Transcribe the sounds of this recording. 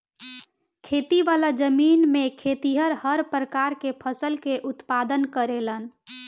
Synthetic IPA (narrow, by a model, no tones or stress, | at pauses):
kʰet̪iʋalad͡ʒəminmekʰet̪iɦəɾhəɾpɾəkaɾkepʰəsəlkeʔut̪pad̪ənkəɾelən